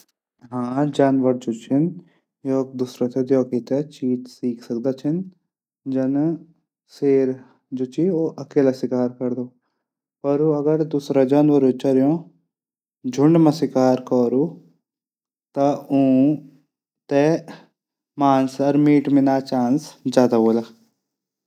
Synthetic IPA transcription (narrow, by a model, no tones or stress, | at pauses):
ɦãːd͡ʒaːnʋəɾd͡ʒot͡ʃʰɪn | jɔːk̚d̪uːsɾat̪ʰed̪joːkit̪et͡ʃiːt̪siːkʰsɐk̚d̪at͡ʃʰin | d͡ʒɐn | seːɾ | d͡ʒoːt͡ʃʰioːʔɐkeːlasɪkaːɾkɐɾd̪oː | pɐːɾuɐɡəɾd̪usɾad͡ʒɐnʋɐɾut͡ʃɐɾjõ | d͡ʒʱʊɳɖmɐ̃sɪkaːɾkɔːɾu | t̪ɐũː | t̪ɛ | maːnsɐɾmiːʈmɪnaːt͡ʃaːnsd͡ʒaːd̪aboːlaː